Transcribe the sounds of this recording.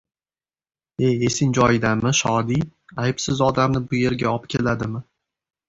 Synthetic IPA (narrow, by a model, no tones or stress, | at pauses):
e̞je̞sɪŋd͡ʒɒjɪd̪amɪʃɒd̪iajɪpsɪzɒd̪amnɪbʊje̞ɾɡʲaɒpkʲe̞lad̪ɪmɪ